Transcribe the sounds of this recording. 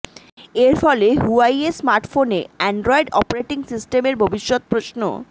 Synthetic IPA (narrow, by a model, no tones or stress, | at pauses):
eɾfɔleɦuajesmaɾʈfonḛɛɳɖɾɔiɖɔpoɾeʈiŋsisʈemeɾbʱobiʃːot̪̚pɾoʃno̰